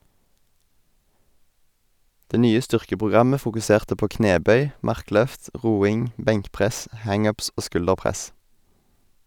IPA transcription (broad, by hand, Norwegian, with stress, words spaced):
ˈdeː ˈnyːə ˈstʏʁkəpʁʊˌɡʁɑmə fʊkʉˈseːʁtə ˈpoː ˈkneːˌbœʏ ˈmɑʁˌklœft ˈʁuːɪŋ ˈbɛŋkˌpʁɛs ˈhɑŋ ˈʉːps ˈoː ˈskʉldəʁˌpʁɛs